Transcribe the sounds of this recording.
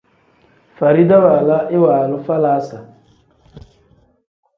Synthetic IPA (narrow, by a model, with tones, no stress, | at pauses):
fa˨ɾi˦da˦wa˨la˦ʔɪ˦waː˨lʊ˦fa˦la˦sa˨